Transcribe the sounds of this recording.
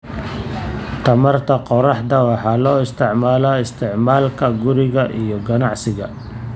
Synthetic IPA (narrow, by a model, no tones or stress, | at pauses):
t̪ʰɐmɐrt̪ʰɐqɔɾɑħd̪ɐwɑħɑːlɔːɪst̪ʰɪʕmaːlaːɪst̪ʰɪʕmaːlkʰɐɡʊɾɪɣɐʔijɞɡɐnɑʕsɪɣɐ